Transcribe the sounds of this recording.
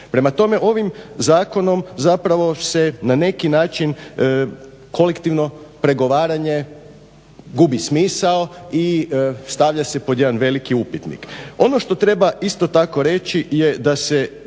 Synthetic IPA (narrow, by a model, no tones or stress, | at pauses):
pɾe̞mat̪o̞me̞ʔo̞ʋimzaːko̞no̞mzapɾaʋo̞se̞nane̞kinaːt͡ʃin | ko̞lekt̪iʋno̞pɾe̞ɡo̞ʋaːɾaɲe̞ | ɡubismiːsaoist̪aʋʎase̞pod̪je̞d̪anʋe̞likiupit̪nḭko̞no̞ʃt̪o̞t̪ɾe̞baʔist̪o̞t̪ako̞ɾe̞t͡ʃije̞d̪ase̞